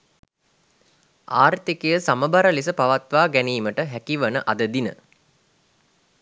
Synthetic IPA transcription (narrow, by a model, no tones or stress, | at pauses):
aːrt̪ikejəsaməbaɾəlisəpaʋat̪ʋaːɡæniːməʈəɦækiʋənəʔad̪əd̪inə̰